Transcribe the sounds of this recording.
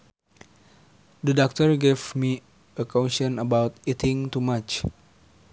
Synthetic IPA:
dədɔk̚təɹɡevmi | əkʰanʃə̃nəbawt̪itɪ̃ŋtumat͡ʃ

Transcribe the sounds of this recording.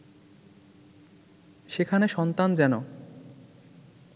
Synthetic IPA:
ʃekʰaneʃɔnt̪and͡ʑɛno

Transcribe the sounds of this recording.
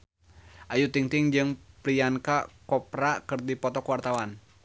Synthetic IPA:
ʔajut̪iŋt̪iŋd͡ʒɨŋpɾiankakɔpɾakɨrdipɔt̪ɔkwart̪awan

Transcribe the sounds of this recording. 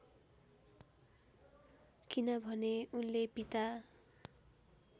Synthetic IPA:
kinʌbʱʌneunlepit̪a

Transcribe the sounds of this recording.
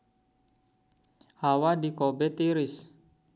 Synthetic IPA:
hawadikɔbɛt̪iɾis

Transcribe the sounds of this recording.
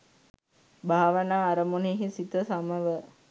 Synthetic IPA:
bʱaːʋənaːɾəmuneːɦisit̪əsaməʋə

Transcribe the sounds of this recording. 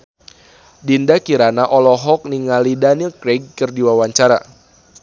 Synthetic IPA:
dindakiɾanaʔɔlɔɦɔk̚niŋalidanilkɾeɡ̚ːɨrdiwawaɲt͡ʃaɾa̰

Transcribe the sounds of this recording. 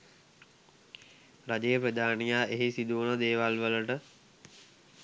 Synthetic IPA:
ɾad͡ʒejəpɾəd̪ʱaːnijaːeɦisid̪uunəd̪eːʋalʋələʈə

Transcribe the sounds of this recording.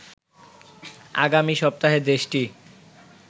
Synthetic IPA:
a̰ɡamiʃɔp̚t̪aɦed̪eʃʈi

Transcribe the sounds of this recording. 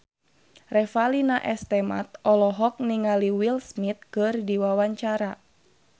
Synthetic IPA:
rɛfalinaʔɛst̪ɛma̰t̪̚ɔlɔɦɔk̚niŋaliwilsmit̪̚kɨrdiwawaɲt͡ʃaɾa

